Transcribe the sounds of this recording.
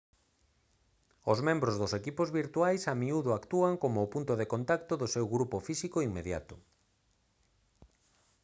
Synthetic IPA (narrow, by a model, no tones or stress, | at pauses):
ʊzmẽmbɾozðʊsekipozβiɾt̪uajsamiuðʊakt̪uaŋkomʊːpunt̪ʊðekont̪akt̪ʊðʊsewɣɾupofisikoiŋmːeðja̰t̪ʊ